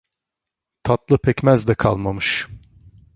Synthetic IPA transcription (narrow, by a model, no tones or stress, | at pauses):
t̪ʰat̪lˠɯpʰɛcmæzd̪ɛkʰa̰lˠmamɯʃ